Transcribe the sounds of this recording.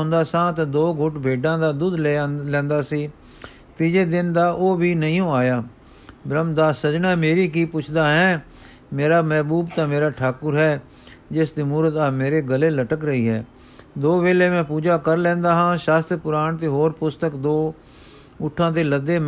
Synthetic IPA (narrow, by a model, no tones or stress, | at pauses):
nd̪aːsãːt̪ãːd̪oːɡʱʊʈbʱeːɖãːd̪aːd̪uːd̪lelɛ̃ːnd̪aːsiː | t̪iːd͡ʒeːd̪ɪnd̪aːʔoːbʱiːnəĩːõːaːjaː | bɾəmd̪aːsəd͡ʒnaːmeːɾiːk̬iːpʊt͡ʃʰd̪aːɦɛ̃ː | meːɾaːmɛːbuːbt̪ãːmeːɾaːʈʰaːkʊɾɦɛː | d͡ʒɪsd̪iːmuːɾət̪aːmeːɾeːɡəleːləʈəkɾəiːɦɛː | d̪oːʋeːleːmɛ̃ːpuːd͡ʒaːkəɾlɛ̃ːnd̪aːɦãːʃaːst̪ɾpʊɾaːɳt̪̬eːɦoːɾpʊst̪əkd̪oː | ʊʈʰːãːt̪eːləd̪eːm